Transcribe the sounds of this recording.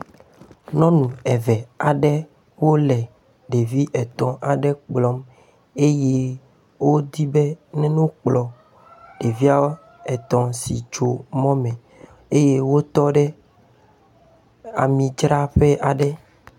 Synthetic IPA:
nɔ̃˦nũ˨ɛ˨vɛ˨a˨ɖɛ˦ | wo˦lɛ˨ | ɖe˨vi˦ʔɛ˨t̪ɔ̃˨ʔa˨ɖɛ˦k͡plɔ˦m | e˦je˦ | wo˦d̪i˦be˦nɛ̃˦nũ˦k͡plɔ˨ | ɖ̥e˨vi˦a˦wo˦ | ɛ˨t̪ɔ̃˨sḭ˨d͡ʒo˨mɔ̃˦mɛ̃˨ | e˦je˦wo˦t̪ɔ˦ɖɛ˦ | a̰˨mĩ˨d͡ʒɾa˦ɸe˦ʔa˨ɖɛ˦

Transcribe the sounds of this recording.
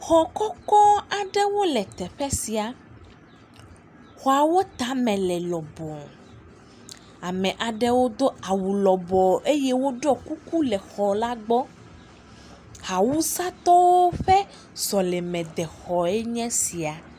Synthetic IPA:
xɔ˨kɔ˦kɔ˦a˨ɖɛ˦wo˦lɛ˨t̪ɛ˨ɸɛ˦si˨a˨ | xɔ˦a˨wo˦t̪a˦mɛ̃˨lɛ˨lɔ˨bɔ˨ŋ | a˨mɛ̃˨ʔa˨ɖɛ˦wo˦d̪o˦a˨wu˨lɔ˨bɔ˨ʔe˦jɛ˦wo˦ɖɔ˦ku˦ku˦lɛ˨xɔ˨la˦ɡ͡bɔ˦ | ha˨wu˦sa˦t̪ɔ˦wo˦ɸɛ˦ | zɔ˨lɛ˨mɛ̃˨d̪ɛ˨xɔ˨ɛ˦ɲɛ̃˦si˨a˨

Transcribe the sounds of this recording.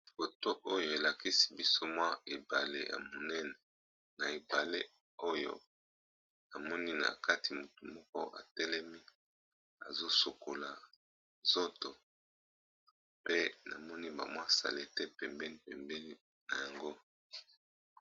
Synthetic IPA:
fo˨to˦ʔo˦jo˦˨e˨la˨ki˦si̥˦bi˦so˦mwa˦e˨ba˨lḛ˦ja̰˨mo˨nɛ˦nɛ˨ | na˨e˨ba˨le˦ | o˦jo̰˦ | na˨mɔ˦ni˦na̰˨ka˦ti˨mo˨tu˨mɔ˦kɔ˦ʔa̰˨tɛ˦lɛ˦mi˦ | a̰˨zo˦so˨ko˨la˨ | zo˦to˨ | pe˦na˨mɔ˦ni˦ba̰˨mwa˦sa̰˨le˦˨tɛ˦pɛ˨mbɛ˦ni˦pɛ˨mbɛ˦ni˦ | na˨ja˨ŋɡo˦

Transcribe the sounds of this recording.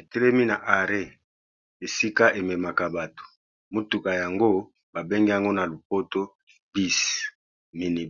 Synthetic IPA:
e˨te˦lɛ˦mi˦na˨ʔa˨ʁe˦˨ | e˨si˦ka˦ʔe˨mɛ˨ma˨ka˨ba˨to̥˨ | mo˦tu˨ka˨ja˨ŋɡo˦ | ba˨be˦ŋɡi˦ja˨ŋɡo˦na˨lo˨p̚o˦to˦ | bi˦s | mi˨ni˨

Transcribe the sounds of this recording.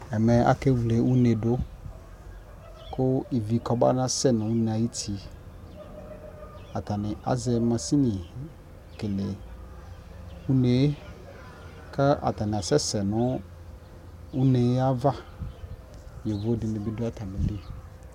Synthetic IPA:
ɛ˨mɛ˨a̰˨ke˦wu˨le˨˦u˦ne˨dʊ˦ | kʊ˦i˨vi˨kɔ˨ba̰˦nã˦sɛ˦˨nʊ̃˨u˦n˨a˨ji˦tʰi˨˦ | a˨ta˨nɪ˨a̰˨zɛ˦mã˨si˦nɪ̃˨ | kɪ˨lɪ˨ | u˦ne˨˦ | ka˦ʔa̰˨ta˨nɪ˨a˨sɛ˦sɛ˨nʊ̃˦ | u˦ne˨˦a˦va˦ | je˨vo˦dɪ˨nɪ̃˨bɪ˨˦dʊ˦a˦ta˨mɪ̃˨bɪ˦

